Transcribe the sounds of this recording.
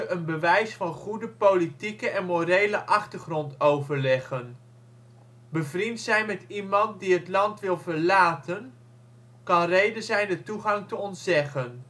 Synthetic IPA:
ʔənbəʋɛjsfɑnχudəpowlitikəʔɛnmorejləʔɑχtəɹχrɔntowvəɹlɛχən | bəvrintsɛjnmɛtimɑnt̚diɦətlɑntʋɪlˠvəɹlaːtən | kɑnrejdəzɛjndətuχɑŋtəɔntzɛχən

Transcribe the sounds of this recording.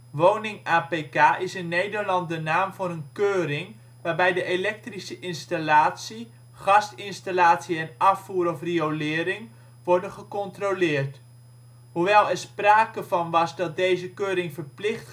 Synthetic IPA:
ʋownɪŋaːpejkaːʔɪsɪnːejdəɹlɑnt̚dənaːmvʊnənkøːɾɪŋ | ʋaːrbɛjdəʔelɛk̚trisəʔɪnstalaːtsi | χɑstɪnstalaːtsiɛnɑfuːɾɔfriolɪːɾɪŋ | ʋɔɹdənχəkɔntrolɪːrt | huʋɛlˠɛɹspraːkəvɑnʋɑsdɑt̚dejzəkøːɾɪŋvərplɪχt

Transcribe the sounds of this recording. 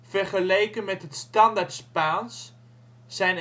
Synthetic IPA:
v̥ɛɹχəlejkənmɛtɦətstɑndaɹtspaːns | z̥ɛjn

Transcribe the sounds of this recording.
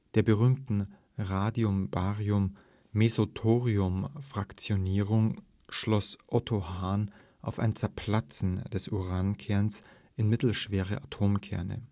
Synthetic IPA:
d̥eːɐbəʁyːmtn̩ | ʁaːdiʊmbaːʁiʊmː | ezotʰoːʁiʊmfʁ̥akt͡sjoniːʁʊŋ | ʃlɔsʔɔtʰohaːn | ʔaʊfa̰ɪnt͡sɛɐpʰl̥at͡sn̩d̥ɛsʔuʁaːnkʰɛɐns | ʔɪnmɪtl̩ʃv̥eːʁ̞əʔatʰoːmkʰɛɐnə̰

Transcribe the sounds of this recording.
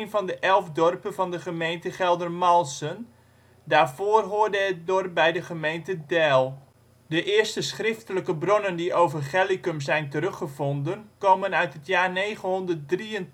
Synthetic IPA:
nvɑndəʔɛlˠvdɔrpənvɑndəχəmejntəχɛlˠdərmɔlˠsən | daːrvoːrɦoːrdəət̚dɔrp̚bɛjdəχəmejntədɛlˠ | dəʔɪːrstəsχrɪftələkəbronəndiʔowvərχɛlikəmzɛjntəɾɵχəvɔndənkoːmənœɥtɦətjaːrnejχənɦɔndərt̚driən

